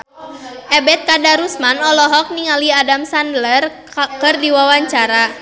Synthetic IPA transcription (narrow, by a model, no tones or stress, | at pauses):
ʔɛbɛt̪̚kadaɾusmanɔlɔɦɔk̚niŋaliadamsandlər | kɨrdiwawaɲt͡ʃaɾa